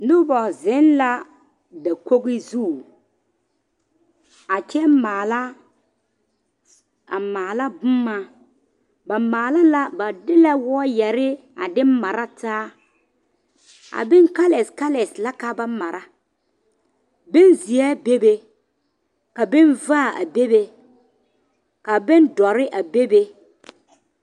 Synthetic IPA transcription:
nʊ˦bɔ˨zɪ˨˦nla˦ | da˨ko˦ɡɪ˦zu˦˨ | a˨t͡ʃɛ˦maː˨la˦ | a˨maː˨la˦bʊ˦mːa˦ | ba˨maː˨la˦la˦ba˨dɪ˦la˦wɔ˦jɛ˨ɾɪ˦ | a˨dɪ˦m˦ma˨ɾa˦taː˦ | a̰˨bɪ˦nka˦lɛ˨ska˦lɛ˨sla˦ka˦ba˦ma˨ɾa˦ | be˦nzi˨ɛ˦be˦be˦ | ka˨bɪ˦nvaː˦˨a̰˨be˦be˦ | ka˨be˦ndɔ˨ɾɪ˦ʔa˨be˦be˦

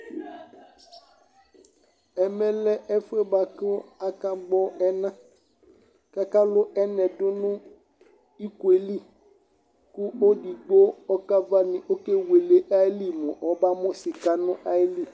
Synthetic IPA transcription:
ɛ˨mɛ˦lɛ˦ʔɛ˦fʊ˦ɛ˦ba˨kɪ˦a˦ka˦ɡ͡bɔ˦ɛ˦nã˦ | ka˦ka˦lʊ˦ʔɛ˦nɛ˨dʊ˦nʊ̃˦ | i˦kwe˨li˦˨ | ku˦o˦di˨ɡ͡bo˦ɔ˦ka˦va˦nɪ̃˨ʔo˦ke˦we˨le˨ʔa˦li˦mʊ̃˨ʔɔ˨ba˦mʊ̃˦sɪ˨ka˦nʊ̃˦ʔa˦li˦˨

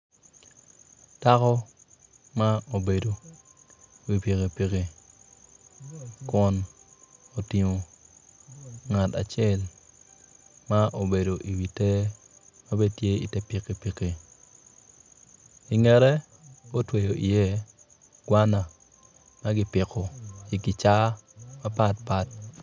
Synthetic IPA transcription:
ta˦kɔ˦ | ma˦o˨be˨do˨ | wi˨pi˨ke˨pi˨ke˨ | kɔ˦n | o˨tɪ˨mo˨ | ŋa˨ta̰˨t͡ʃɛ˦l | ma˦ʔo˨be˨do˨ʔi˨wi˨te˦ | ma˦be˦tje˦ḭ˨tɛ˦pɪ˨ke˨pi˨ki˨ | i˨ŋɛ˨ɾɛ˦ | o˦twe˨jo˨ʔi˨je˦ | ɡ̥wa˦na˨ | ma˦ɡɪ˦pɪ˨kɔ˨i˨ɡɪ˨t͡ʃa˦ma˦pa˦t̚pa˦t̚

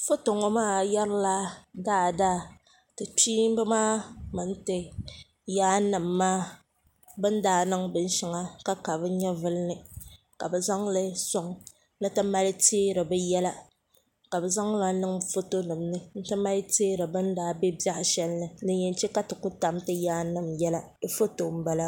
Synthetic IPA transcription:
fo˦to˨ŋɔ˨maː˦˨jɛ˦ɾla˦daː˦˨daː˦˨ | tɨ˨tiː˦m˦bɨ˦maː˦mɨ˨n̩˦tɨ˨ | jaː˦nɨ˨mːaː˦ | bɨ˦n˦daː˦nɨ˦ŋbɨ˦n˦ʃi˦ŋa˦ka˦ka˨bɨ˦ɲɛ˦vɨ˦lnɨ˨ | ka̰˨bɛ˨za˦ŋ˦lɨ˦sʊ˦ŋ | nɨ˦tɨ˦ma˦lɪ˦teː˦ɾɨ˨bɛ˦jɛ˦la˦ | ka˨bɛ˨za˦ŋ˦la˦nɨ˦ŋfo˦to˦nɨ˨mnɨ˦n̩˦tɨ˦ma˦lteː˦ɾɨ˨bɨ˦n˦daː˦be˦bja˦ʔɪ˨ʃɛ˦lnɨ˨nɨ˨ɲɛ˨n˦t͡ʃɛ˦ka˦tɨ˨ku˦ta˨mtɨ˦jaː˦nɨ˨mjɛ˦la˦fo˦to˨m̩˦ba˦la˦

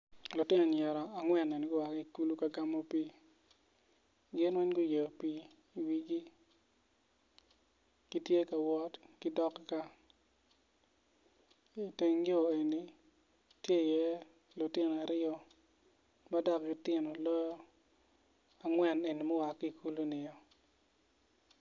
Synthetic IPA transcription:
lɔ˨tɪ˦nɔ˨ɲɛ˨ɾɔ˨a˨ŋwɛ˨ne˨n˨ɡʊ˦wa˨ki˦˨ku˦lu˦ka˨ɡa˨mo˦pi˦ | ɡɪ˦nwɛ˦nɡʊ˦je˨pi˨ | i˨wi˨ɡi˦ | ɡ̥i˦tje˦ka˨wɔ˦tki˦dɔ˦kka˦ | i˨te˨ŋɡo˨e˨ni˨ | tje˦˨jɛ˦ | lʊ˨tɪ˦n˨a˨ɾɪ˦ɔ˦ | ma˦dɔ˦ki˨tɪ˦nɔ˨lɔ˦jɔ˦ | a˨ŋwɛ˨ne˨ni˨mɔ˦wa˨ki˨ku˦lu˦nɪ˨jɔ˦

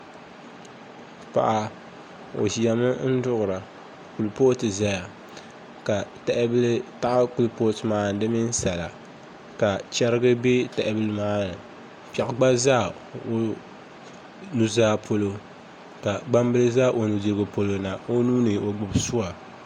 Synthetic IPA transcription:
pa̰˨ʔa˨ | o̰˨zi˨a˨mɨ˦n̩˦dʊ˦ʔʊ˨ɾa˨ | ku˨lpo˦tɨ˨za˦ja˨ | ka˨tɛ˨ʔɪ˦bɨ˦lɨ˦ta˦ʔa˦ku˦lpo˦tɨ˨maː˦n˦dɨ˦mi˦n˦sa˨la˨ | ka˨t͡ʃɛ˦ɾɨ˦ɡɨ˦be˦tɛ˨ʔɪ˦bɨ˦lɨ˦maː˦nɨ˨ | pɛ˨ʔɡ͡ba˦zaː˦˨ | o˨ | nu˨zaː˦pʰo˦lo˨ | ka˨ɡ͡ba˦mbɨ˦lɨ˦zaː˦ʔo˨nu˨de˨ɾɡɨ˨po˦lo˨na˨o˦nuː˦nɨ˨o˨ɡ͡bʊ˨bsu˦wa˨

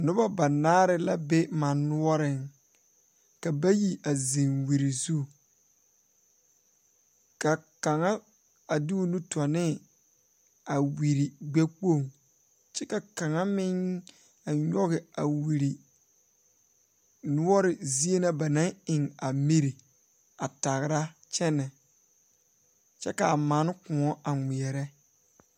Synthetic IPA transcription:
nʊ˦ba˦ba˨naː˦ɾɪ˦la˦be˦ma˨nːʊ˦ɔ˦ɾɪ˨ŋ | ka˨ba˦ji˨ʔa˨zi˨ŋwi˨ɾi˨zu˦˨ | ka˨ka˨ŋa˦ | a˨di˦u˦nu˦tɔ˨nɪ˦˨ | a˨wi˨ɾi˨ɡ͡bɛ˦k͡po˦˨ŋ | t͡ʃɛ˦ka˨ka˨ŋa˦mɪ˦n | a˨ɲɔ˦ɣɪ˨a˨wi˨ɾi˨ | nʊ˦ɔ˦ɾɪ˨zi˦e˦na˦ba˨nã˦ŋɪ˨ŋa˨mi˦ɾi˨ | a˨ta˨ɣɪ˨ɾa˦t͡ʃɛ˦nɛ˨ | t͡ʃɛ̰˦ka˨a˨maː˨˦n˦kʊ˨ɔ˦ʔa˨ŋʷi˨ɛ˨ɾɛ˦

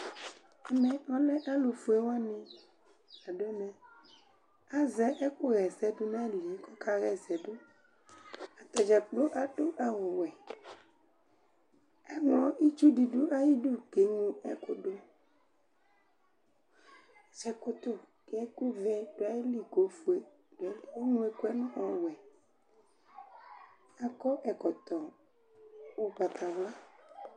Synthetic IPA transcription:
ɛ˨mɛ̃˨ɔ̃˦lɛ˦ʔa˦lo˨fu˦e˦wa˦nĩ˦ | a˨ɖo˦nɛ̃˨ | a˦zɛ˦ʔɛ˦ku˦ɣɛ˨zɛ˨ɖo˦nã˦li˨˦kɔ˦ka˦ɣɛ˨zɛ˨ɖo˦ | a˨t̪a˨d͡ʒa˨k͡plo˦ʔa˨ɖo˦ʔa˨wo˨wɛ˨ | ɛ˦ŋlɔ̃˨ʔi˦t͡ʃu˦ɖi˨ɖu˦ʔa˦ji˦ɖu˦ɡe˨˦ŋũ˦ɛ̰˨ko˦ɖo˦ | sɛ˨ko˦t̪o˦ | kɛ˨ɛ˦ku˦vɛ˦ɖ̥o˨˦a˨je˦li˦˨ɡo˨˦fu˨e˨ | ɖ̥o˨a˨˦li˦a˦e˦ŋũ˦e˨ko˦ɛ˦nɔ̃˦ɔ˨wɛ˨ | a˨kɔ˦ʔɛ˨kɔ˨t̪ɔ˨ | wo˨ba˨t̪a˨vla˦

